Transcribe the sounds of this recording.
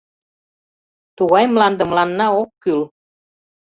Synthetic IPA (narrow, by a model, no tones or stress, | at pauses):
t̪uɣɑjmlɑnd̪ə̆mlɑnːɑokːyl